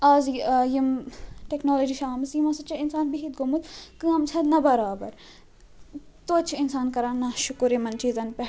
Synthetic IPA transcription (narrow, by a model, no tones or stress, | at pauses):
aːzjimʈeknoːlod͡ʒiːʃaːmsjimɐsɐt͡ʃʰɐɪnsaːnbiɦit̪̚ɡomut̪kɨɐmt͡sʰɐd̪nɐbɐɾaːbɐɾ | t̪oːt͡ʃʰɪnsaːnkɐɾaːnɐʃʊkuɾemɐnt͡ʃiːzɐnpɛ